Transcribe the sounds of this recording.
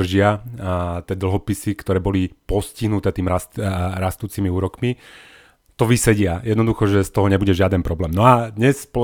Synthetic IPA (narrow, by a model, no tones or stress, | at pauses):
r̩ʒɪa | t̪ɪɛd̪l̩ɦɔpisikt̪ɔɾɛːbɔlipɔsciɦnut̪ɛːt̪iːmɾasɾast̪uːt͡simiuːɾɔkmi | t̪ɔʋisɛɟɪajɛd̪nɔd̪uxɔʒɛst̪ɔɦɔɲɛbuɟɛʒɪad̪ɛnpɾɔblɛːmnɔad̪ɲɛsspɔ